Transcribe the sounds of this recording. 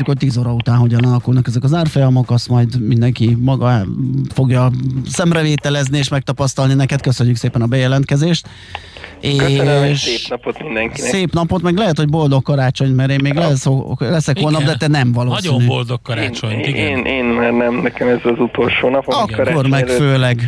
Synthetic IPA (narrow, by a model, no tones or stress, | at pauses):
t͡ʃukoc̚t̪iːzoːɾɒut̪aːnɦo̞ɟɒnɒlɒkulnɒkɛzɛkɒzaːrfojɒmo̞kɒst̪mɒjd̪mind̪ɛŋkimɒɡɒfo̞ɡjɒsɛmrɛveːt̪ɛlɛznieːʃmɛk̚t̪ɒpɒst̪ɒlninɛkɛt̪̚køsø̞ɲːykseːpɛnɒbɛjɛlɛnt̪kɛzeːʃt̪ | eɛʃeːpnɒpot̪mind̪ɛŋkiɛsseːpn̪ɒpo̞t̪mɛɡlɛɦɛt̪ho̞ɟbo̞ld̪o̞kːɒɾaːt͡ʃo̞ɲt̪mɛɾeːnmeːɡlɛolɛsɛkholnɒbd̪ɛt̪ɛnɛmvɒloːsoinybold̪okːɒɾat͡ʃt͡ʃoɲieːnʔeːnmaːrnɛmnɛkɛmɛzɛzut̪o̞lʃoːnɒpoɒkɾormɛføːlɛɡ